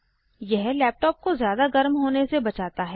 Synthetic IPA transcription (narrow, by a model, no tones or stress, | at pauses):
jɛɦlɛːp̚ʈɔːp̚kozjaːd̪aɡɐɾmɦoːnesebɐt͡ʃaːt̪aɦɛː